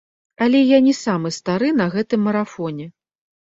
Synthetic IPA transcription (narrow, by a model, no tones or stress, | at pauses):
ɐlʲɛjanʲisamɨst̪aɾɨnɐɣɛt̪ɨmːɐɾafɔnʲɛ